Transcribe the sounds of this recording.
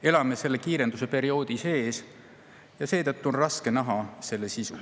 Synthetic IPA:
e̞lɑme̞se̞lːe̞kiːɾe̞nd̪usepe̞ɾio̞ːd̪̥ise̞ːs | jɑse̞ːt̪ɤt̪ˑːuonrɑske̞nɑɦɑse̞lːesisu

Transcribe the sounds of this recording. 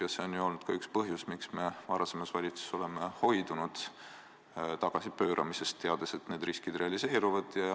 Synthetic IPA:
jɑseo̞njuo̞lnud̪̥kɑykspɤɦjusmiksme̞vɑɾɑse̞mɑsvɑlʲit̪su̥so̞le̞me̞ho̞jd̪unud̪̥ | t̪ɑɡ̥ɑsipø̞ːɾʔɑ̰misest̪ːe̞ɑd̪̥ese̞t̪ne̞ːd̪̥ɾriskid̪̥re̞ɑlise̞ːɾuvɑd̪̥jɑ

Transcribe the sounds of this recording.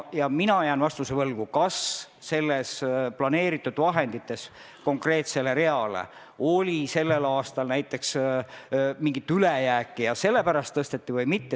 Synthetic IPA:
jɑminɑjæːnvɑst̪usevɤlɡ̥ukɑs | se̞lːesplɑne̞ːɾit̪ːˑud̪̥vɑɦe̞nd̪it̪ːˑe̞s | ko̞ŋkre̞ːt̪sele̞ɾe̞ɑlḛ | o̞lʲise̞lːe̞lɑːst̪ɑlnæjt̪ːˑe̞ks | miŋɡ̥it̪ːylejæːkːˑijɑse̞lːe̞pæɾɑst̪ːɤst̪e̞t̪ːivɤjmit̪ːe

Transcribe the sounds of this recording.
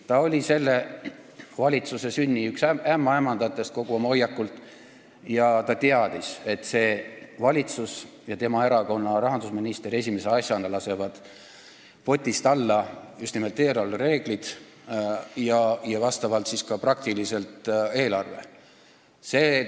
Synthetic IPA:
t̪ɑo̞lʲise̞lːe̞ | vɑlʲit̪suse̞synʲːiyksæmːɑemːɑnd̪̥ɑt̪ːˑe̞st̪̚ko̞ɡ̥uomojɑkːˑult̪ːˑ | jɑt̪ɑt̪eɑd̪̥ise̞t̪ːˑse̞ːvɑlʲit̪sus | jɑt̪e̞mɑe̞ɾɑko̞nːɑɾɑɦɑnd̪usminist̪e̞ɾe̞sʲime̞se̞ɑsʲjɑnɑlɑse̞vɑd̪̥ | po̞t̪ʲːist̪ɑlːɑjust̪nime̞lt̪e̞ːɾɑlːɾe̞ːɡ̥lid̪̥ | jɑjɑvɑst̪ɑvɑlt̪siskɑprɑk̚t̪ilise̞lt̪ˑe̞ːlɑrve̞̰ | seː

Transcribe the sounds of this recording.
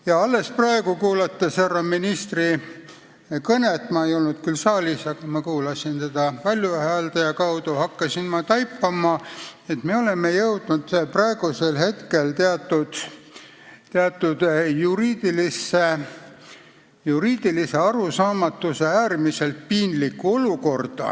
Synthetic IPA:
jɑɑlːe̞sprɑeɡ̥ukuːlɑt̪ːɑserɑminist̪ri | kɤnet̪ˑmɑejo̞lnud̪̥kylsɑːlʲisɑɡ̥ɑmɑkuːlɑsint̪e̞d̪̥ɑpɑlʲjuhæːld̪ɑjɑkɑwd̪uhɑkːɑsinmɑt̪ɑjpːɑmɑe̞t̪me̞ole̞me̞jɤwd̪̥nud̪prɑeɡ̥use̞lhe̞t̪ke̞lt̪eɑt̪ːˑud̪̥ | t̪eɑt̪ːˑud̪̥juɾiːd̪ilisːe | juɾiːd̪̥ilise̞ɑɾusɑːmɑt̪ːuseæːrmise̞lt̪̚piːnlikːˑuo̞luko̞rd̪̥ɑ̰

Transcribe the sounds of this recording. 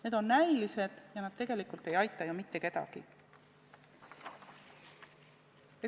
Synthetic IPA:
ne̞d̪̥o̞nːæjlise̞d̪̥jɑnɑd̪̥̚t̪e̞ɡ̥e̞likult̪ːˑe̞jɑjt̪ːˑɑjomit̪ːe̞ke̞t̪ɑ̰ɡ̥ḭ | e

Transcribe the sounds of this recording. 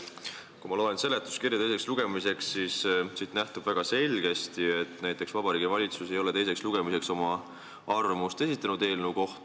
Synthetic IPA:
kumɑlo̞ːense̞le̞t̪ːˑu̥skirjɑt̪ejse̞ksluɡ̥e̞mise̞ksːissiːt̪næht̪ub̥væɡ̥ɑse̞lʲɡ̥e̞st̪ie̞t̪ːˑnæjt̪ˑːe̞ksvɑb̥ɑɾiːɡivɑlʲit̪suse̞jo̞let̪e̞jse̞ksluɡ̥e̞mise̞kso̞mɑ | ɑrmust̪e̞sit̪ːˑɑnud̪e̞ːlnəuko̞ht̪

